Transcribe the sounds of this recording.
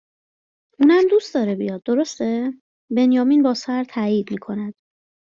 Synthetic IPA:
ʔuːnæmd̪ust̪d̪ɒːɾebḭjɒːd̪̚ːo̞ɾo̞st̪e | be̞njɒːmiːnbɒːsæɾt̪ʰæːiːd̪miːkʰo̞næd̪̥

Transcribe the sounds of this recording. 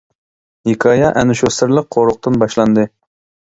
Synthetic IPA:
ɦekʰɑːjɑʔɛnuʃosɪɾlˠəq̚ːʰoɾʊq̚t̪ɨnbɑʃlˠɑnd̪ɨ

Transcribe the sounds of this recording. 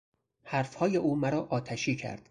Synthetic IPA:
hæɾfhɒːje̞ʔuːmæɾɒːʔɒːt̪ʰæʃiːcʰæ̰ɾd̪̥

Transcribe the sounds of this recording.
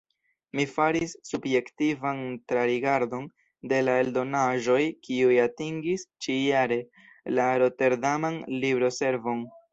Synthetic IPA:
mifaɾisːubje̞ktivantɾaɾiɡaɾdo̞n | de̞lae̞ldo̞naʒo̞jkiujatiŋɡist͡ʃijaɾe̞ | laɾo̞te̞ɾdamanlibɾo̞se̞ɾvo̞n

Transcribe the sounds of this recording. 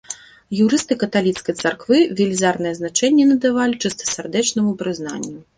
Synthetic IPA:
juɾɨst̪ɨkɐt̪alʲit̪skɐjt̪sarkvɨvʲɛlʲizarnɨjɛznat͡ʂɛnʲːɛnɐd̪avalʲit͡ʂɨst̪ɐ̥sʲɛrd̪ɛt͡ʂnɐmupɾɨzna̰nʲːu

